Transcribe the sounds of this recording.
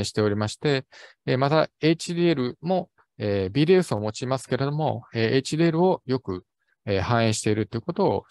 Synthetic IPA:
ẽɕi̥t̪e̞o̞ɾʲimaɕi̥t̪e̞ː | mat̪ae̞t͡ɕid̪ieɾɯ̟mo̞ | eːbʲid̪e̞ɯsɨo̞mo̞t͡ɕimasɨ̥ke̞ɾe̞d̪o̞mo̞̰eːʔet͡ɕid̪ieɾɯ̟o̞jo̞kɯ̟ | eːhãɰ̃ẽɕi̥t̪e̞iɾɯ̟t̪ːeiɯko̞t̪o̞̰ː

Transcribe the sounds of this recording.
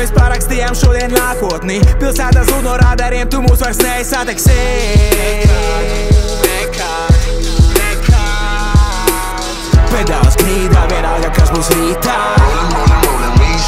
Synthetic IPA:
mespaɾakst̪ijamʃuɔd̪iɛnnaːkuɔt̪nipilˠsæːt̪azuːnuɔɾaːd̪ɛɾiɛmt̪umuːsvaɾsnɛjsat̪ɛksɛ | k | k | pɛd̪alˠsɡɾiːd̪aːvɛɾaːjab̚kasbuːsɾiːt̪a

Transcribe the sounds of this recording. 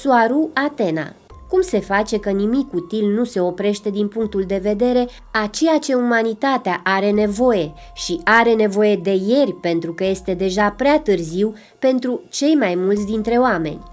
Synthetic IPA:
suaɾuat̪e̞na̰ | kumse̞fat͡ʃe̞kənimikut̪ilnuse̞o̞pɾe̞ʃt̪e̞d̪inpuŋk̚t̪uld̪e̞ve̞d̪e̞ɾe̞ | at͡ʃe̞jat͡ʃe̞umanit̪at̪eaʔaɾe̞ne̞vo̞je̞ | ʃiaɾe̞ne̞vo̞je̞d̪e̞je̞rʲpe̞nt̪ɾukəje̞st̪e̞d̪e̞ʒapɾeat̪ɨrziw | pe̞nt̪ɾut͡ʃe̞jmajmult̪sʲd̪int̪ɾe̞oame̞̰nʲ

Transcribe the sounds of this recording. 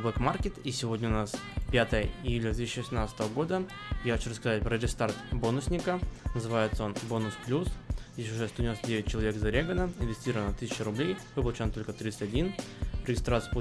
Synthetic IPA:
vɛkmarkʲɪt̪isʲɪvo̞dʲnʲəʊnaspʲat̪əjəɪjulʲd̪vʲet̪isːɕt͡ɕɪvəsʲɪmnat̪sə̥t̪əvəɡo̞d̪ə | jaxɐt͡ɕuɾrəskɐzat̚ʲpɾəɾʲɪst̪art̪bo̞nʊsʲnʲɪkənəzɨvajɪt̪səonbo̞nʊsplʲusjes̬ʲʊʐɛst̪oɪnost̪ədʲevʲɪt̚ʲt͡ɕːɪlˠɐvʲekzɐɾʲeɡənəɪnvʲɪsʲtʲiɾəvənt̪ɨsʲɪt͡ɕɪɾʊblʲejvɨpəlˠʊt͡ɕnt̪o̞lʲkət̪ɾʲit̪sɨtʲɐdʲinɾʲɪɡʲɪst̪ɾat̪sɨəp

